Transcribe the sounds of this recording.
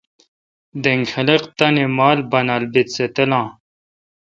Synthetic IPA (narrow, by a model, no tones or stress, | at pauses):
d̪eŋɡxɐleqt̪ɐnimaːlbɐnalbit̪set̪ɐlɑ̃ː